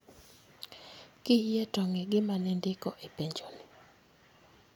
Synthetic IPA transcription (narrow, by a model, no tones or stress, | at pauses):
kɪjɛtɔŋɛɡɪmanɛndɪkɔʔepeɲd͡ʒoni